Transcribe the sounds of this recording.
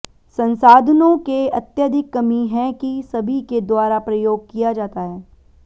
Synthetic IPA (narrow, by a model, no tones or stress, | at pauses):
sɐ̃nsaːd̪ʱənõkeɐt̪jəd̪ʱɪkːɐmiɦɛ̃kisɐbʱiked̪waːɾapɾɐjoːɡ̚kijad͡ʒaːt̪aɦɛː